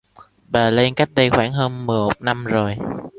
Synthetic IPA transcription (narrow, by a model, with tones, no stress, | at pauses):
ɓaː˨˩le˧nka˦˥jk̚ɗə˧jxwaː˧˩ŋɦəː˧nmɨ˨˩əjmo˨˩t̚na˧mzo˨˩j